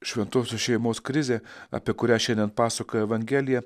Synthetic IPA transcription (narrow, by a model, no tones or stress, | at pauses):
ʃʲʋʲɛnt̪oːsʲosʃʲɛɪmoːskɾʲɪzʲeːɐ̰pʲiɛkʊɾʲæːʃʲɛnd̪ʲɛnpɑːsɐkojɛʋɐŋʲɡʲæːlʲɪjɛ